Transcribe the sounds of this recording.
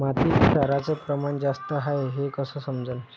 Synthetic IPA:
mat̪iːɕaɾat͡səpɾəmaɳd͡zast̪əɦaeɦekəsəːsəmd͡zən

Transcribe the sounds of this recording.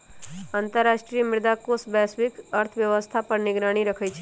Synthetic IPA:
ãnt̪əɾːaʃʈɾijəmɪɾd̪akosbɛsʋikəɾt̪ʰʋjəʋəst̪ʰapəɾnɪɡɾaɽ̃iɾəkʰəjt͡ʃʰe

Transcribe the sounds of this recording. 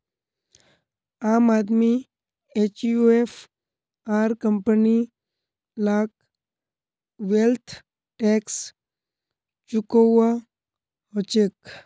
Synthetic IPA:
aːmaːd̪mi | et͡ʃjuefʰ | aːɾkəmpəni | laːk | ʋelt̪ʰ | ʈeːks | t͡ʃʊkoa | ɦot͡ʃek

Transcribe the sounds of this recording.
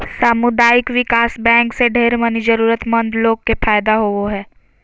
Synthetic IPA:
saːmʊd̪aːjɪkʋɪkaːsbɛ̃ːŋkseɖʱeːɾmənid͡ʒəɾuːɾət̪mɐ̃nd̪loːɡ̚kepʰaːjd̪aɦooɦɛː

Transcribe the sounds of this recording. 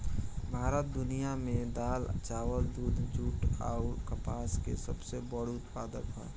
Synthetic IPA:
bʱaːɾət̪̚d̪ʊnijamẽd̪aːlt͡ʃaːʋəld̪uːd̪ʱd͡ʒuːʈa̰ːʊɾkəpaːskḛsəbsebəɽʊt̪paːd̪əkɦa̰ː

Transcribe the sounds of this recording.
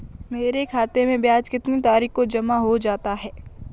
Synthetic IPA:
meːɾekʰaːt̪emẽbjaːd͡ʒkɪt̪nit̪aːɾiːxkod͡ʒɐmaɦod͡ʒaːt̪aɦɛː

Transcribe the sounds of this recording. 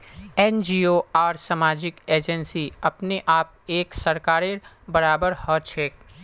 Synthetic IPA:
ɛːnd͡ʒiːoːaːɾsamaːd͡ʒɪkeːd͡ʒənsiɐpneʔaːp̚eːksɐɾkaːɾe | bɐɾaːbəɾhɔːt͡ʃʰeːk̚

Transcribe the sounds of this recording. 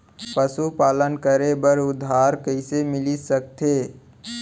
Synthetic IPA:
pəsupaːlənkəɾebəɾʊd̪ʱaːɾkəɪsemɪlisək̚t̪ʰeː

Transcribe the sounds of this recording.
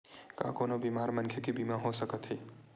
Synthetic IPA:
ka̰konobimaɾmənkʰjəkibimaɦosəkət̪ɦəi

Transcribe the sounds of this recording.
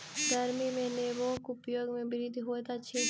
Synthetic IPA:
ɡ̪əɾmimẽneːbõːkʊpjoːɡmẽbɪɾid̪ʱɦoːet̪at͡ʃʰeː

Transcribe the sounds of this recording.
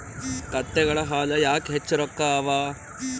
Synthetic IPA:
kɐt̪ːeɡɐɭɐɦaːlɐjaːkɦet͡ʃːɐɾɔkːaːʋaː

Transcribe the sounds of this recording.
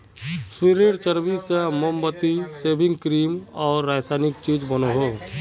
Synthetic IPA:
siɾeɽt͡ʃəɾbisamombət̪iseːbɪ̃ŋɡkɾiːmɔːɾːaːsaːnɪkt͡ʃiːd͡ʒbənoɦoː

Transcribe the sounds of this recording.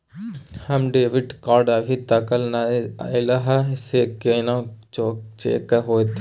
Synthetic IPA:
hɐmɖeːʋɪɖkaːɾɖɐbʱit̪ɐkəlnaɪlaɦasekenãt͡ʃot͡ʃḛːkɐɦoːt̪

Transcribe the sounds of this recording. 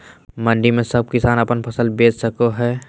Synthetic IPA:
mə̃ɳɖimẽsɐb̚kɪsaːnəpənpʰɐsəlbeːsəkoɦɛː

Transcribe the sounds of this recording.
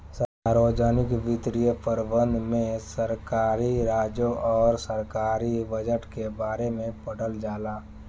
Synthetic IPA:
saɾʋəd͡ʒaːnɪkbɪt̪ɾijəpəɾbə̃nd̪ʱmẽsəɾkaːɾiɾaːd͡ʒõʔɔːɾsəɾkaːɾibəd͡ʒəʈkebaːɾemẽpəɽəld͡ʒaːlaː

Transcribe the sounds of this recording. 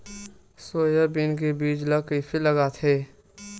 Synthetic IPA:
soːjəbinkebiːd͡ʒləkəifʰiləɡat̪ʰeː

